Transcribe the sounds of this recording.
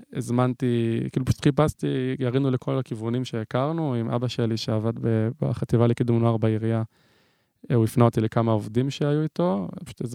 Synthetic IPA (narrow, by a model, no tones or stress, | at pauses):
ezmant̪ikiːlupaʃu̥t̪χipast̪ijaʁinulekʰolakivunimʃeːkaʁnuimʔa̰baʃeliʃeavad̪beba̰χat̪ivalekid̪umnoaʁbaiʁija | uifnaot̪ilekamaovd̪imʃeajuito̞pḁʃu̥tez